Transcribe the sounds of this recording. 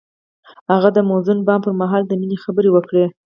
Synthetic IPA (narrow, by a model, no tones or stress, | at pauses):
haɣad̪əmozʊnbɑmpəɾmaɦɑld̪əminexabəɾewəkɽe